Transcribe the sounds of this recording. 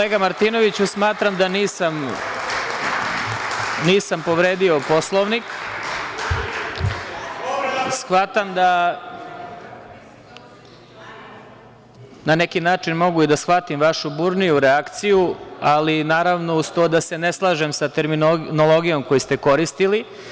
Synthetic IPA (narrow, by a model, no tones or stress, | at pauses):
koleːɡamaɾt̪ino̞ʋit͡ɕusmaːt̪ɾamd̪aniːsam | niːsampo̞ʋɾe̞ːd̪io̞po̞slˠoʋnik | sxʋat̪amd̪a | nane̞kinaːt͡ʂinmo̞ɡuid̪asxʋat̪imʋaʃubuɾnijuɾeakt̪sijualinaːɾaʋno̞ust̪od̪ase̞neslˠaːʒemsat̪eɾminonolˠo̞ɡijo̞mkojist̪e̞ko̞ɾist̪ili